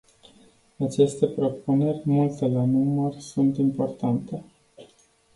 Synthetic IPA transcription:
at͡ʃe̞st̪e̞pɾo̞pune̞rʲmult̪e̞lanumərsunt̪impo̞rt̪ant̪e̞

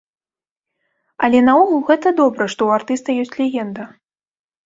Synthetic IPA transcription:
ɐlʲɛnauɣulˠɣɛt̪ɐd̪ɔbɾɐʂt̪ɔuart̪ɨst̪ɐjɔsʲt͡sʲlʲɛɣʲɛnd̪ɐ

